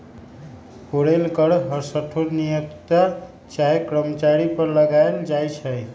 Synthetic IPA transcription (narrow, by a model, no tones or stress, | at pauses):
koɾelkəɾɦəɾsəʈʰoɾnijəkt̪a | t͡ʃaɦekɾəmət͡ʃaɾipəɾləɡaeld͡ʒajt͡ʃʰəj